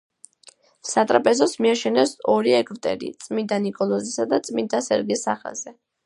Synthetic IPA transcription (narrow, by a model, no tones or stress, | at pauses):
sat̪ʼɾapʼɛzɔsmiaʃɛnɛsɔɾiɛɡʰvt̪ʼɛ̰ɾḭt̪sʼmind̪anikʼɔlˠɔzisad̪at̪sʼmind̪asɛɾɡisaχa̰z̥ɛ